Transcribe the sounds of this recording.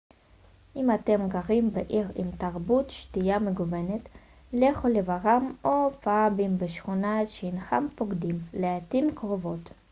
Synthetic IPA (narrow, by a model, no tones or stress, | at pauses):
ʔimate̞mɡaʁimbeʔiʁḭmtaʁbutʃtijameɡuvenet | leχolevaʁamofabimbeʃχunaetʃeinχa̰mpoɡdimleatimkʁovo̞t